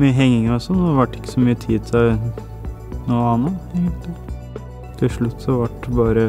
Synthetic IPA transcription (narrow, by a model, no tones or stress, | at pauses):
myːəɦɛŋːɪŋəɾɔsɔnːɔʋæʈːɪ̥kːə̥sɔmyːət̪ʰiːt̪ʰ | nuːəɑnəɛːɡənt̪lɪ | t̪ʰɪlʂɭʉt̪ːsɔʋɑʈbɑːɾə